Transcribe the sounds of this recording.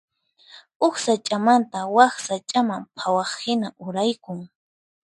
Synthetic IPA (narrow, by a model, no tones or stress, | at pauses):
ʊxsat͡ʃʼamant̪awaχsat͡ʃʼamampʰawɑχhɪnaʔʊɾajkʊŋ